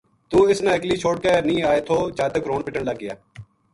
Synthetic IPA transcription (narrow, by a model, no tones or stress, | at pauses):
t̪uːɪsnãːɪkliːt͡ʃʰoːʈ̚keːnĩːaːeːt̪ʰoːt͡ʃaːt̪əkɾoːnpɪʈəɳləɡːɪja̰ː